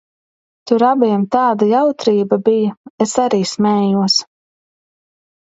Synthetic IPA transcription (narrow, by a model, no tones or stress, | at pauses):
t̪uɾabiɛmt̪aːd̪ajawt̪ɾiːbɐbijɐesaɾiːsmɛːjuɔs